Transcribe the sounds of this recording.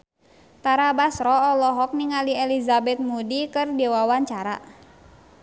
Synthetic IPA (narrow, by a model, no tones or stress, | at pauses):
t̪aɾabasɾɔːlɔɦɔk̚niŋaliɛlizabɛt̪̚mudikɨrdɛwawaɲt͡ʃaɾa̰